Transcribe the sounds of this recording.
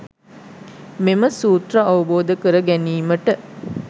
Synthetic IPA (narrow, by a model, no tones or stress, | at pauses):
meməsuːt̪rəɐʋɐboːd̪əkəɾəɡæniːməʈə